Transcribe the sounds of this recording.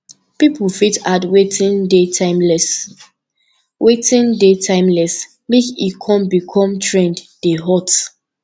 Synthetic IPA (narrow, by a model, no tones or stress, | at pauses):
pipufitadwetʰĩndetʰãɪ̃mlɛs | wetĩndetʰãɪ̃mlɛs | mekikʰɔ̃mbikʰɔ̃mtʰɹɛ̃ndd̥eɦɔt